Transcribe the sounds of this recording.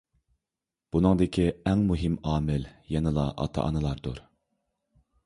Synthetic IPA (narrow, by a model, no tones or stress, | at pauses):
b̥unɨŋd̪ɪkʲʰiɛŋmuɦɪmɑːmɪljɛnɨlˠɑʔɑ̰t̪ʰɑ̰ʔɑ̰nɨlˠɑɾd̪ṵɾ